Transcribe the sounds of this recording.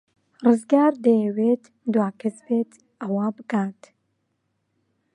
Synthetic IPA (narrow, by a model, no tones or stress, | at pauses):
rɨzɡaːɾd̪ɐjɛweːt̪ | d̪waːkʰɐsbeːt̪ | ʔɐwaːbɨkaːt̪